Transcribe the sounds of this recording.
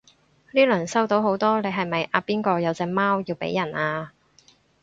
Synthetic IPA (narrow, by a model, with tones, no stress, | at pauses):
liː˥lɵ˨˩nsɐ˥wt̪o˨˧wɦo˨˥wt̪ɔː˥le˨˧jɦɐ˨jmɐ˨jʔaː˨˧piː˥nkɔː˧jɐ˨˧wt͡sɛː˧maː˥wjiː˧wpḛ˨˥jɐ˨˩naː˧